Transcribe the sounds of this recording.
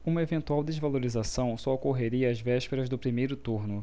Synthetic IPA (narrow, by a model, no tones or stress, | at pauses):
ũmɐevẽnt̪uawd̪ezvaloɾizasɐ̃w̃sɔokoɦeɾiɐːzvɛʃpeɾɐzd̪ʊpɾimejɾʊt̪uɾnʊ